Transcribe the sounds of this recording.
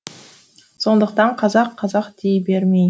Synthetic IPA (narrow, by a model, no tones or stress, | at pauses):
so̞nd̪əqt̪ɑɴqʰɑzɑqʰːɑzɑqd̪ejbeɾmej